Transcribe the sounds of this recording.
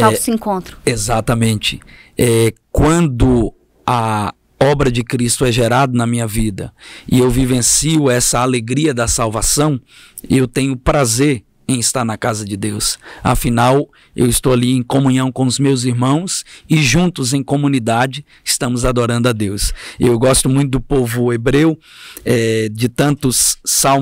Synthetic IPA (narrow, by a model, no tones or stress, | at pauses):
asẽŋkõnt̪ɾʊ̥ezat̪ɐmẽnt͡ʃɪ̥ɛkwɐ̃nd̪ʊ | ɐ | ɔbɾɐd͡ʒɪkɾist̪ʊɛʒeɾad̪ʊnɐmĩɲɐvid̪ɐ̰ɪ̰ewvivẽsiʊɛsɐaleɡɾiɐd̪ɐsawvasɐ̃w̃ | ewt̪ẽɲʊpɾazeɾ | ẽj̃ɪst̪aɾnɐkazɐd͡ʒɪd̪ewsa̰finaw | ḛwɪst̪owaliẽj̃kõmũɲɐ̃w̃kõw̃ʊzmewziɾmɐ̃w̃sɪʒũt̪ʊzẽj̃kõmũnid̪ad͡ʒɪ | ɪst̪ɐ̃mʊzad̪oɾɐ̃nd̪ʊad̪ewsewɡɔst̪ʊmũj̃t̪ʊd̪ʊpovʊebɾewɛd͡ʒɪt̪ɐ̃nt̪ʊsːaw